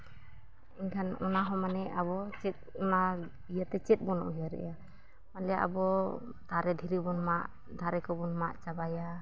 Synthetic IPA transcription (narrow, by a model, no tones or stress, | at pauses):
iɲkʰanɔnaɦɔmanɛʔabɔt͡ʃɛt̪̚ɔna | ijat̪ɛt͡ʃɛt̪̚ˀbɔnɔ̰ʔɦaɾɛ̰ʔja | malɛjaʔa̰bɔ | t̪aɾɛd̪ʱiɾibɔnmaʔ | d̪ʱaɾɛkɔbɔnmaʔt͡ʃabaja